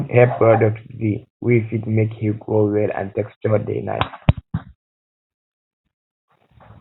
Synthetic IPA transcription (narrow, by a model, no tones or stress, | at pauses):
hɛpɹɔdək̚tziwifidmekhiɡɹowɛlã̰ntekst͡ʃɔdḛɪna̰ɪt